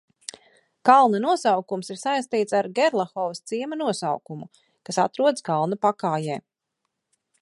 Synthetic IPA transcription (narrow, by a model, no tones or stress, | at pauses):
kalˠnɐnuɔsawkumsiɾsajst̪iːt̪saɾɡɛɾlˠaxɔvst̪siɛmɐnuɔsa̰wkumu | kasat̪ɾuɔd̪skalˠnɐpakaːjɛː